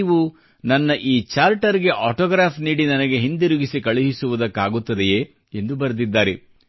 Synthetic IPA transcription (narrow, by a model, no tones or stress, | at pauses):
ʋu | nɐnːɐʔiːt͡ʃaːɾʈɐɾiɡe̞ʔaːʈɔːɡɾaːpʰniːɽinɐnɐɡe̞ɦind̪iɾuɡisikɐɭiɦisuʋud̪ɐkːaːɡut̪ːɐd̪ejeː | end̪ubɐɾd̪id̪ːaːɾe